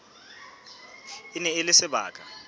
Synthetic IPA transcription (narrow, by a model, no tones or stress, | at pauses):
ɪnɛɪlɪsɪɓa̰ːkʰʼa